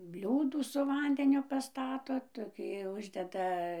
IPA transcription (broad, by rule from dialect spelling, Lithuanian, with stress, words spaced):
ˈbʲlʲuːduː sʊ ˈʋɐnʲdʲɛnʲʊ pɐˈstɑːtoː toːˈkʲiː ˈʊʒʲdʲɛdɐ